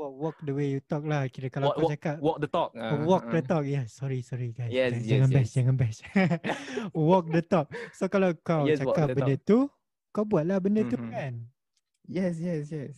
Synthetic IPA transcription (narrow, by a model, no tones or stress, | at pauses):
wɔwɔk̚dəwejut̪ɔk̚lahkiɾəkalaat͡ʃakap̚ɔkdt̪ɔk̚wɔk̚dət̪ɔk̚jasɔɾisɔɾiɡajsd͡ʒaŋãnbɛsd͡ʒaŋãnbɛs | wɔk̚dət̪ɔk̚sokalawkawt͡ʃakapbəndət̪u | kawbuat̪̚lahbəndət̪upɛn | jɛsjɛsjɛs